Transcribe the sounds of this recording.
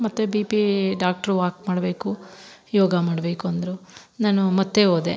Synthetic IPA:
mɐt̪ːebiːpiɖaːk̚ʈɐɾuʋaːk̚maːɽbe̞ːkujɔːɡɐmaːɽbe̞ːkuɐnd̪ɐɾunaːnumɐt̪ːeoːd̪ḛ

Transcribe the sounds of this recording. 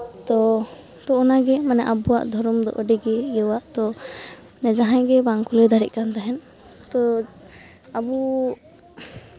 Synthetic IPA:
t̪ɔ | t̪ɔːnaɡɛmanɛʔabuwa̰ʔd̪ʱɔɾɔmd̪ɔ̰ʔəɖiɡɛɡɛwaʔt̪ɔ | nɛd͡ʒaɦãjɡɛbaŋkulɛd̪ʱaɾḭʔ̚kant̪aɦɛn | t̪ɔ | abu

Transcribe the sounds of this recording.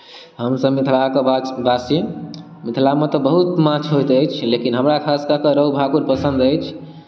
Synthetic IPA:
ɦəmsəbmit̪ʰlakebasje | mit̪ʰlamet̪ɔbəɦut̪mãt͡ʃʰɦojt̪əjt͡ʃʰlekinɦəmɾakʰaskəkeɾəubʱakuɾpəsə̃nd̪əjt͡ʃʰ

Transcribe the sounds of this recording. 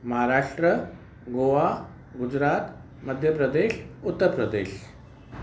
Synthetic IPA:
məɦaɾaʂʈɾə | ɡoʋa | ɡud͡ʑɾat̪ | məd̪ʱjəpɾəd̪eɕut̪ːəɾpɾəd̪eɕ

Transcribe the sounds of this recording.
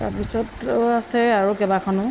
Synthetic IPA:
ta̰pisɔtasɛaɹukɛbakʰɔnʊ

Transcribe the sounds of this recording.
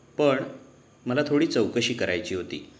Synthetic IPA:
pəɳ | məlat̪ʰoɽiːt͡səwkəɕiːkəɾa̰jt͡ɕiːɦot̪ḭː

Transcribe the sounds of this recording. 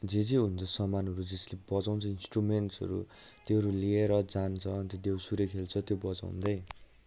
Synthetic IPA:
d͡zed͡ziɦunt͡sʰʌsʌmanɦʌɾud͡zeslebʌt͡saw̃nt͡sʰʌinsʈrumenʈsʌ̰ɾṵ | t̪eʌɾulieɾʌd͡zant͡sʰʌnt̪od̪ewsuɾʌkʰelt͡sʰʌt̪jobʌt͡sa̰w̰̃nd̪ʌ

